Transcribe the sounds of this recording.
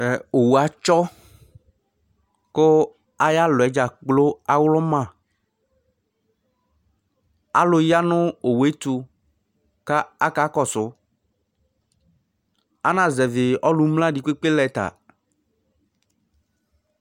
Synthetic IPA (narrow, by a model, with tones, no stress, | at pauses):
ɛ˨o˨wu˨a˨t͡ʃɔ˦ | kʊ˦ | a˦ja˦lʊ˨ɛ˨˦d͡ʒa˨k͡plo˦a˦wlɔ˦mã˨ | a̰˦lʊ˨ja˦nʊ̃˦o˨we˦t̪u˨ | ka˦a˦ka˦kɔ˦sʊ˨˦ | a˦nã˨zɛ˨vɪ˨ɔ˦lu˦mlã˦di˨kʷe˦k͡pe˦lɛ˨t̪a̰˨